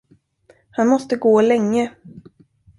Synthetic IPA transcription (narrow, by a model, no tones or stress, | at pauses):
hanmɔst̪əɡoːlɛŋːə